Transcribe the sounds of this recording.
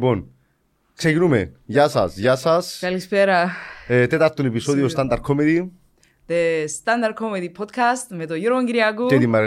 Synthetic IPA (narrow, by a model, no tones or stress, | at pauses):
pon | ksecinumeʝasɐ̰sʝasɐskɐlispeɾɐet̪et̪ɐɾt̪unepisoðiost̪ɐnd̪ɐɾ̚kʰomeði | ðest̪ɐnd̪ɐɾ̚kʰomeðipʰot̪kʰɐst̪met̪ojuɾooŋɡiɾiɐɡut̪et̪imːɐɾ